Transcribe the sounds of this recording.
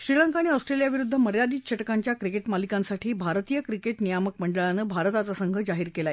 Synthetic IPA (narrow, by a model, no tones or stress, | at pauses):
ɕɾilaŋkaɽ̃iɔsʈɾelijaʋiɾud̪ʱːəməɾjad̪iːɕʰəʈkaɲt͡ɕjakɾikeʈmalikansaʈʰiːbʱaɾt̪ijəkɾikeʈnijamək̚məɳɖəɭanəːbʱaɾt̪at͡sasəŋɡʱəd͡zaɦiːɾkelae